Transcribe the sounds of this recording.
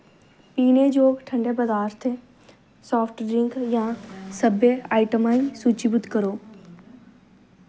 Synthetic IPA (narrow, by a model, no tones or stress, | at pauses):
piːned͡ʒoːɡʈʰə̃ɳɖebəd̪aːɾt̪ʰe | sɔːfʰʈɖɾɪ̃ŋkjãːsəbeaːɪʈəmaːĩsuːt͡ʃibʊd̪kəɾoː